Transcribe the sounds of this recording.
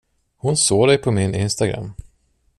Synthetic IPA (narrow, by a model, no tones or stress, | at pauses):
hʊnsoːd̪ɛjpʰɔmɪnɪnst̪aɡɾa̰mː